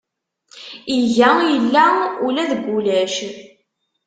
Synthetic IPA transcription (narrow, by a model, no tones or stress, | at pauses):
iʝæjəlːæulæðəɡːulæʃ